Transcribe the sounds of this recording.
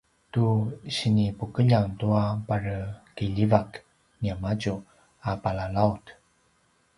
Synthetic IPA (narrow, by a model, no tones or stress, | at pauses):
tuɕinipukəʎaŋtuapaɾəkiʎivak | niamad͡ʑu | apalalaut